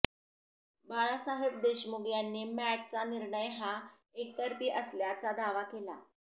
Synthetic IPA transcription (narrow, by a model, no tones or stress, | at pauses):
baɭ̃asaɦep̚d̪eɕmuɡjanːiːmæʈ̚t͡saniɾɳəjɦa | ek̚t̪əɾpiːʔəsljat͡sad̪aʋakela̰